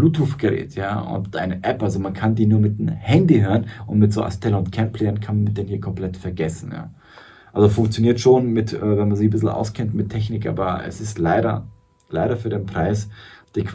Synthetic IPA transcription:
luːthuːfɡ̥əʁɛ̰ːtjaːʊ̰ntʔaɪnəʔɛpʔalzomankʰandiːnuːɐmɪt̚emhɛndiɦøːʁənʔʊntmɪtz̥o̰ːʔa̰stʰɛləʊntkʰɛmpʰlɛːɐnkʰanmanmɪçd̥eːnhiːɐkʰɔmpl̥ɛtfɛɐɡɛsn̩ja̰ː | ʔalzofʊŋk̚t͡sjoniːɐtʃoːnmɪtʔɛːvɛnmanziːçbɪsl̩ʔa̰ʊskʰɛntmɪtʰːɛçnɪkʔa̰ːbɐɛ̰sɪstlaɪɾɐ̰ | laɪɾɐfyːɐɾeːnpʁ̥aɪsd̥iːkv

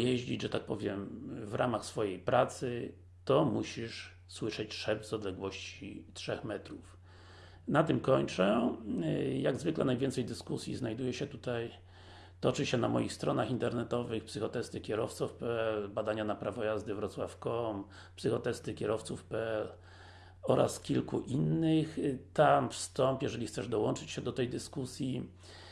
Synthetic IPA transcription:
jɛʑd͡ʑid͡ʑʐɛt̪ak̚pɔvʲjɛmvɾʔamaxsfɔjejpɾʔat̪sɘ | t̪ɔmuɕiʂ | swɘʂɛt͡ɕʂɛb̪zɔd̪lɛɡwɔɕt͡ɕitʂɛxmɛt̪ɾuf | nat̪ɘmkɔɲt͡ʂɛ | jaɡzvɘklɛ̰najvʲjɛnt̪sɛjd̪ɘskusʲjḭznajd̪ujɛɕɛt̪ut̪aj | t̪ɔt͡ʂɘɕɛnamɔjixst̪ɾɔnaxint̪ɛɾnɛt̪ɔvɘxpsɘxɔt̪ɛst̪ɘkʲɛɾɔft̪sufpɛɛlbad̪aɲanapɾavɔjazd̪ɘvɾɔt̪swafkɔm | psɘxɔt̪ɛst̪ɘkʲɛɾɔft̪sufpɛɛl | ɔɾa̰skʲilkuʔinːɘxt̪amfst̪ɔmpjɛʐɛlʲixt̪sɛʐd̪ɔwɔnt͡ʂɘt͡ɕɕɛd̪ɔt̪ɛjd̪ɘskusʲji

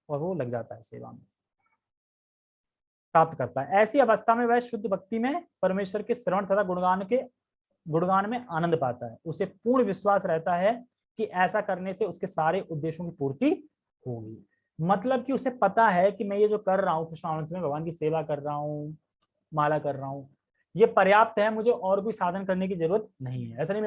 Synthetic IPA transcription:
ɔːɾʋolɐɡ̚d͡ʒa̰ːt̪aɦɛsḛːʋa̰mḛ̃ | pɾaːp̚t̪kɐɾt̪aɦɛɛːsiɐʋəst̪ʰamẽʋɛsʃʊd̪ʱːbɐk̚t̪imẽpɐɾmeːʃəɾkesɪɾʋəɳt̪ʰɐt̪ʰaɡʊɽɡaːnke | ɡʊɽ̃ɡaːnmẽʔaːnə̃nd̪ʱpaːt̪aɦɛʊsepuːɾɳ̃ʋɪʃwaːsɾɛɦt̪aɦɛ | kiʔɛːsakɐɾneseʊskesaːɾeʔʊd̪ːeːʃõkipuːɾt̪i | hoːɡḭː | mɐt̪ləb̚kiʊsepɐt̪aɦɛkimɛ̃jed͡ʒoːkɐɾːaɦũkɾɪʃmaːnə̃nt̪ʰmẽbʱɐɡʋaːnkiseːʋakɐɾːaɦũ | maːlakɐɾːəɦũ | jepɐɾjaːp̚t̪ɦɛmʊd͡ʒʱeʔɔːɾkoisaːd̪ʱənkɐɾnek̬izɐɾuːɾət̪̚nɐɦĩɦɛɛːs̬anɐɦĩm

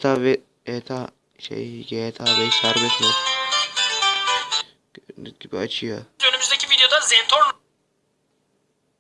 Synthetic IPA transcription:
t̪ʰavɛ | et̪ʰa | ʃḛjikʰajet̪ʰaːbɛjsæɾbɛʃmiɾ | ɡibiat͡ʃʰɯjoønymyzd̪ecʰivid̪ejod̪azɛnt̪ʰoɾn

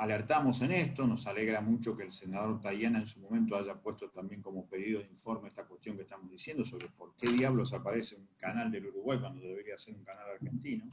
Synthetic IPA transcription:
aleɾt̪amo̞senest̪onosaleɣɾamut͡ʃo̞kelsenaðo̞ɾt̪ajanaensumo̞mẽnt̪oaʒapwe̞st̪ot̪ambje̞ŋko̞mo̞pe̞ðiðoðiɱfo̞ɾmeest̪akwest̪jo̞ŋkest̪amozðisjend̪oso̞βɾepo̞ɾkeðjaβlo̞s̬apaɾeseuŋkanald̪eluɾuɣwajkwand̪oððeβeɾiaðeseɾuŋkanalaɾxe̞nt̪ino̞

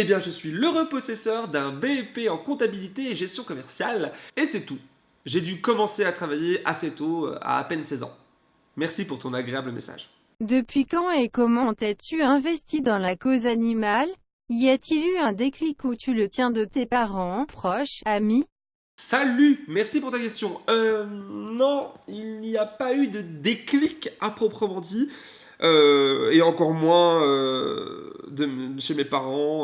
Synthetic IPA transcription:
ebjɛ̃ʒəsɥiləʁəpɔsɛsœʁd̪ɛ̃beɛpeɑ̃kɔ̃t̪abilit̪eːʒɛst̪jɔ̃kɔmɛʁsjalesɛt̪u | ʒed̪ykɔmɑ̃seat̪χavajeʔa̰set̪o̰a̰a̰pɛnsɛzɑ̰̃ | mɛʁsipuʁt̪ɔ̃naɡʁeabləmḛsa̰ʒ | d̪əpɥikɑ̃ekɔmɑ̃t̪ɛt̪yɛ̃vɛst̪id̪ɑ̃lakozanimal | iat̪ilyɛ̃d̪eklikut̪ylət̪jɛ̃d̪ət̪epaʁɑ̃pχɔʃami | salymɛʁsipuʁt̪akʲɛst̪jɔ̃ø | nɔ̃ilniapayd̪əd̪eklikapχɔpχəmɑ̃d̪i | øeɑ̃kɔʁmwɛ̃ø | d̪əʃemepaʁɑ̃

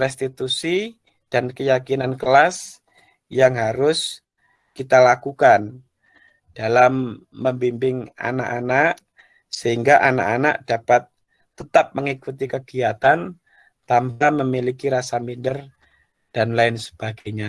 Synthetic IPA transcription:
rɛst̪it̪usi | d̥ankəjakinankəlas | jaŋɦaɾʊs | kit̪alakukan | d̥alamː | əmbimbɪŋa̰na̰ʔanaʔ | səɦiŋɡaʔana̰ʔana̰ʔd̥apat̪ː | ət̪ap̚məŋikut̪ikəɡ̥iat̪an | t̪ambaməmilikiɾasamindər | d̥anlaɪnsə̥b̥aɡajɲa

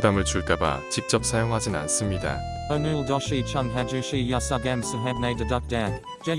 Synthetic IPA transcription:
udamɯɭt͡ɕuɭk͈aba̰t͡ɕik̚t͡ɕ͈ʌp̚sʰajoŋɦad͡ʑina̰nsɯmɲida̰ | onulˠdɔʃit͡ʃʰʌmɦæd͡ʒuʃijasʌɡɛmsəɦɛvneɪdədʌk̚dan | d͡ʒ̥ɛ

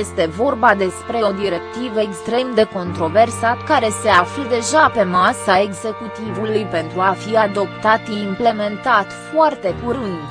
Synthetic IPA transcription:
je̞st̪e̞vo̞rbad̪e̞spɾe̞o̞d̪iɾe̞kt̪ivəekst̪ɾe̞md̪e̞ko̞nt̪ɾo̞versat̪kaɾe̞se̞aflud̪e̞ʒape̞masae̞ɡze̞kut̪ivulujpe̞nt̪ɾuafiad̪o̞pt̪at̪imple̞me̞nt̪at̪foart̪e̞puɾɨnd̪

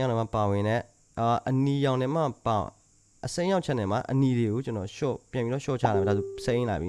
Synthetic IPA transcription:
ãnɛ̃mapawɪ̃nɛ̰ | ɔʔənijãʊ̃nɪ̃ma̰pa̰ | ʔəsẽjaʊʔ̚t͡ɕʰɛʔnɪ̃ma̰ʔəniɾeɡot͡ɕənɔʃɔ̰pjãmpiɔʃɔ̰t͡ɕʰa̰laiaðosẽla̰bḭ

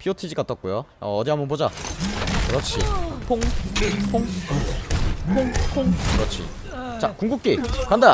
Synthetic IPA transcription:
pʰiotʰid͡ʑik͈at͈ʌt̚k͈ujoʌ̰ːdiambʌnpod͡ʑa | kɯɾʌt͡ɕʰḭpʰoŋpʰoŋ | pʰoŋpʰoŋkɯɾʌt͡ɕʰḭ | t͡ɕakuŋɡuk̚k͈ekanda

